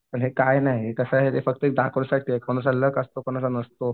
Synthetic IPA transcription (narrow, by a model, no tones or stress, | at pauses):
pəɳɦekajnaɦiekəsəɦet̪efək̚t̪əek̚d̪akʰulsak̚t̪ekʰoñəs̬ələkəst̪okoñəsənəst̪o